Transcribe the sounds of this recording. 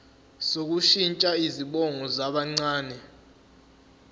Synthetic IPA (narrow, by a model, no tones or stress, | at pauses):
sok̬uʃint͡ʃʼaiziɓɔŋɔzaɓaŋ͡ǀaːnɛ